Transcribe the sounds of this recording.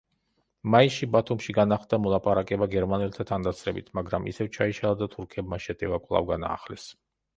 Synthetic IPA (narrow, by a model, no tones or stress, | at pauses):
maiʃibat̪ʰumʃiɡanaχd̪amɔlˠapʼaɾakʼɛbaɡɛɾmanɛlt̪ʰat̪ʰand̪at̪sʰɾɛbit̪ʰmaɡɾamḭsɛvt͡ʃʰaiʃalˠad̪at̪ʰuɾkʰɛbmaʃɛt̪ʼɛvakʼwlˠa̰vɡana̰ːχlɛs